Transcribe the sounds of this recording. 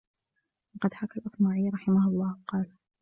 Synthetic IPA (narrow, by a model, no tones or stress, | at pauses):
lɑqɑd̪ħakalʔɑsˤnaːʕiːlɾˤɑħɪmahʊlˤːɑːqɑːl